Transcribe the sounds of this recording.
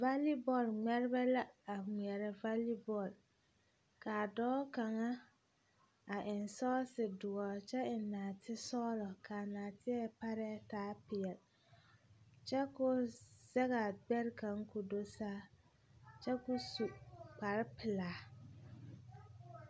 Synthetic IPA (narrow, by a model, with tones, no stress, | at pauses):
va˦li˦bɔ˨lŋ͡mɛ˦ɾɪ˦bɛ˦la˦a˨ŋ͡mɛ˨ɾɛ˨va˦li˦bɔ˨l | kaː˨dɔː˦ka˨ŋa˦ | a˨ʔɪ˨nsɔː˦sɪ˨dʊ˨ɔ˨t͡ʃɛ˦ɪ˨naː˨tʰɪ˦sɔː˦ɾɔ˨kʰaː˨naː˨tɪ˦ɛ˦˨pa˦ɾɛ˦taː˦pɪ˨ɛ˨l | t͡ʃɛ˦kʊ˦z̥ɛ˦ɣa˨ɡ͡bɛ˦ɾka˨˦ŋkʊ˨do˦saː˦ | t͡ʃɛ˦kʊ˦su˨k͡pa˨ɾɪ˦pɪ˨laː˨˦